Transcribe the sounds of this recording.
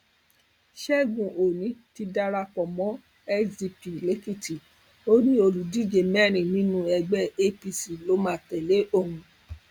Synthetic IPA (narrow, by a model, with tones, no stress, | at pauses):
ʃɛ˦ɡũ˨ʔo˨nĩ˨˦ti˧da˧ɾa˧kɔ˨mɔ̃˨˦ | ɛ˦d͡ʒi˧pi˨le˨˦ki˦˨ti˨ | o˦ɾi˦o˧lu˨di˦˨d͡ʒe˧˨mɛ˦˨nĩ˨nĩ˦nũ˦ɛ˧ɡ͡bɛ˦e˦pi˧si˨lo˦mã˦˨tɛ˨le˨˦ʔo˦˨ɾũ˨